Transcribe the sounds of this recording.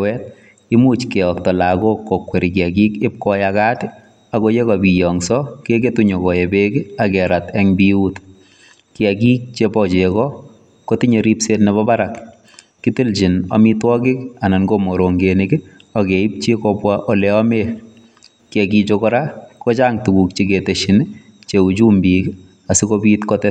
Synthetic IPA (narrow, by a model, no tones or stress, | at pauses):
wɛt̚ | ɪmut͡ʃkɛɔk̚tɔlakokːokweɾik̬ɪakikɪp̚kɔjakatɪ | akojekɔbijɔŋsɔkeketuɲokɔjebekiakɛɾatɛŋbiut | kɪakiːk̚t͡ʃepɔt͡ʃekɔ | kotiɲeɾipsetnebɔbaɾakː | itilt͡ʃina̰mitwɔkɪkananɡomoɾoŋɡenikɪ | ɔkeip̚t͡ʃekɔpwaʔoleɔme | kɪɛkit͡ʃokɔɾakot͡ʃaŋtukukt͡ʃeketeʃin | t͡ʃeut͡ʃumbik | asikobiːtkɔtɛ